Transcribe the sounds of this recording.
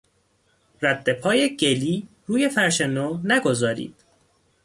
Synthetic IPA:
ræd̪ːe̞pʰɒːje̞ɟe̞liː | ɾuːje̞fæɾʃenoːnæɡo̞zɒːɾḭːd̪̥

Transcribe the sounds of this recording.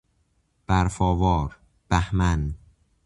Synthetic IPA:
b̥æɾfɒːvɒːɾ | b̥æhmæn

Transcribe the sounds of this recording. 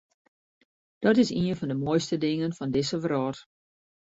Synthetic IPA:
d̥ɔtɪsiənfɔndəmoːjstədɪŋənfɔndɪsəʋrɔːt

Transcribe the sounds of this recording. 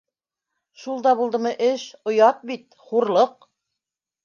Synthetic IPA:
ʃulˠd̪ɑβulˠd̪ɤ̆mɤʔɘʃŏjɑt̪̚bit̪ | χuɾlˠɤq̚

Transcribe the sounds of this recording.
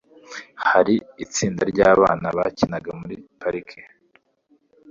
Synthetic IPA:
haɾiit͡siːndaɾɟaːβa̰ːnaβacinaɡamuɾipaɾikʰe̥

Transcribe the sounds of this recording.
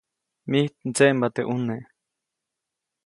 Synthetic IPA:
miht̪̚nt͡seʔmbat̪eʔune

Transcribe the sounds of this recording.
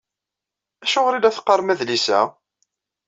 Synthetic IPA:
æʃʊʁɾilæθqːəɾˤmæðlisæ̰

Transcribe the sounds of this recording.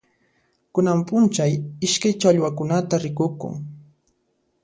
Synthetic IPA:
kʊnampʊnt͡ʃajɪʃkajt͡ʃaʎwakʊnat̪aɾɪkʊkʊ̰ŋ

